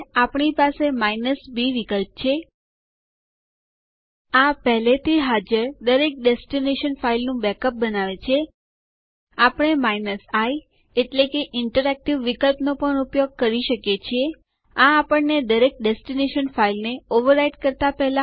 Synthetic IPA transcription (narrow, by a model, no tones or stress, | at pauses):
apɳ̃ipasemainəsbiʋikəlp̚t͡ʃʰe | apɛɦlet̪ʰiɦad͡ʒəɾd̪əɾek̚ɖesʈineʃənfailnũbɛkəp̚bənaʋet͡ʃʰe | apəɳ̃emainəsaj | eʈlekeʔɪɳʈəɾɛk̚ʈiʋːikəlpnopəɳupjoɡ̚kəɾiʃəkjet͡ʃʰie | aːpəɳned̪əɾek̚ɖesʈineʃənfailneoʋəɾaiʈkəɾt̪apɛɦla